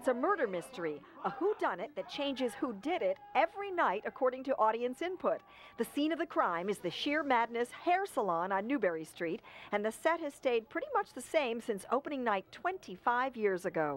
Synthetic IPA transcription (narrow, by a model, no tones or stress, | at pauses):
tsɨmɜ˞ɾə˞mɪstə˞i | əhudʌ̃nɨt̪̚ðɨt̚t͡ʃʰẽɪ̃nd͡ʒɨz̥hudɪɾɪɾɛvɹinaɪɾɨkʰɔɹɾɪ̃ŋtɨʔɔɾiɨ̃nsɪ̃npʰʊt̪̚ | ðɨsĩnʌvðɨkʰɹ̥ãɪ̃mɨzðɨʃɪɹmædⁿnɨshɛɹsəlɑ̃nə̃nːʉbɛɹistɹ̥iɾɨ̃nðɨsɛt̚hɨz̥steɪd̚pʰɹ̥ɪɾimʌt͡ʃðɨsẽɪ̃msɪ̃nso̰ʊpəñɪ̃ŋnaɪtʰw̥ɛ̃ntʰifaɪvjɪɹzɨɡoʊ